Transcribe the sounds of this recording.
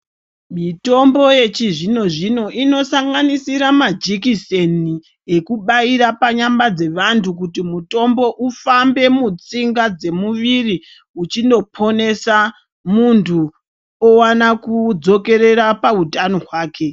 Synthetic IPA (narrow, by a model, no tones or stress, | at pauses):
mito̞mbo̞je̞t͡ʃiʐino̞ʐino̞ʔino̞saŋɡanisiɾamad͡ʒikiseni | e̞kuɓaiɾapaɲambad͡ze̞ʋantʰuk̬utimuto̞mbo̞ʔufambe̞mut͡siŋɡad͡ze̞muʋiri | ut͡ʃindo̞pʰo̞ne̞sa | muntʰu | owanakud͡zo̞ke̞ɾe̞ɾapautano̞ɦwaːke̞